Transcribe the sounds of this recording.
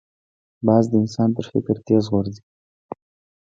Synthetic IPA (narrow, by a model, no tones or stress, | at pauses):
bɑzd̪əɪnsɑnt̪əɾfɪ̰kɾt̪ezʁoɾd̪i